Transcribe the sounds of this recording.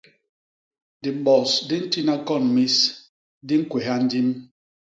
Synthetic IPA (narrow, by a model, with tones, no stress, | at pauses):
di˨m̩˨ɓɔ˨sdi˦n̩˦ti˦na˦kɔ˦˨n˨mi˦s | di˦ŋ̩˦kwe˨ɦa˦n̩˦di˦m